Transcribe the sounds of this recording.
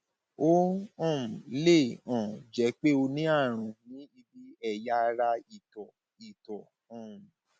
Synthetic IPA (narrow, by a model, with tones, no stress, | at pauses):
o˦ɔ̃˦˨m̩˨le˦˨ɔ̃˨d͡ʒɛ˨˦k͡pe˦o˧nĩ˦a˦˨ɾ̃ũ˨nĩ˨˦i˧bi˦ɛ˦˨ja˦˧ɾa˧i˨tɔ˨ | i˨tɔ˨ | ɔ̃˨